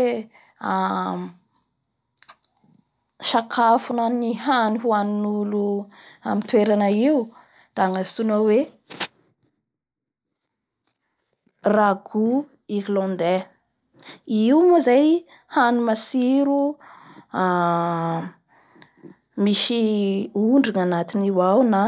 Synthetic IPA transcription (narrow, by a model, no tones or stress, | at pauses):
a | ʃakʰafunanihaniɦuannulua̰mit̪weɾanəiu | d̪̥aŋasunawe | raɡu | iɦlɔ̃nd̪e | iwmozaj | hanumasiɾu | a | miʃiuɳɖ͡ʐiŋanat̪iniwawna